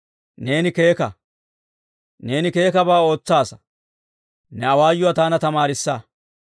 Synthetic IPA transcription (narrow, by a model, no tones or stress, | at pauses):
ne̞ːnɪke̞ːkɐ | ne̞ːnɪke̞ːkɐbaːo̞ːt͡sːaːsɐ̥ | nɛɐwaːjʊwat̪aːnɐt̪ɐmaːɾɪsːa